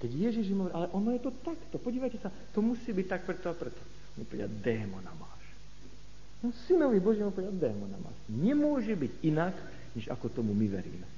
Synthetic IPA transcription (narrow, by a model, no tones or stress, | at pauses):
kɛɟjɛʒiʒimɦɔʋɾiʔalɛʔɔnɔjɛt̪ɔt̪akt̪ɔpɔɟiːʋajcɛsa | t̪ɔmusiːbic̚t̪ak̚pɾɛt̪ɔapɾɛt̪ɔ̥ | ɔnmupɔʋɛda̰d̪ɛːmɔnamaːʃ | ɔnsinɔʋibɔʒiːmupɔʋɛad̪ɛːmɔna̰ma̰ːʃɲɛmʊɔʒɛbiɟinak | ɲɛʒa̰kɔt̪ɔmumiʋɛ̰ɾḭːmɛ